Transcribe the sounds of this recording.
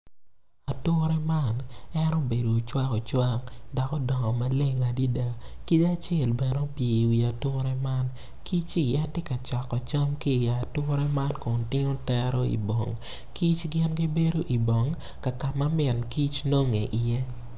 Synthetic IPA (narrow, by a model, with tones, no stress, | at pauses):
a˨tʊ˦ɾɛ˦ma˦nɛ˦no˦be˨doː˨t͡ʃwa˦kɔ˨t͡ʃwa˦ŋdɔ˨kɔ˦dɔ˨ŋɔ˨ma˦le˦ŋa˨di˦da˨ | ki˦t͡ʃa˦t͡ʃjɛ˦˨lbɛ˨no˦pje˨wi˨a˨tʊ˦ɾɛ˦ma˦n | kʰi˦t͡ʃi˦jɛ˦tɪ˦ka˨t͡ʃɔ˨kɔ˨t͡ʃɔ˦mki˦˨ja˨tʊ˦ɾɛ˦ma˦nko˨ntɪ˦ŋo˦tɛ˦ɾo˦ḭ˨bo̰˨ŋ | ki˦t͡ʃɡɪ˦nɡi˦be˦do˦ʔi˨bɔ˨ŋ | ka˨ka˨ma˦mɪ˨nki˦t͡ʃno˦ŋe˨ʔɪ˨jɛ˦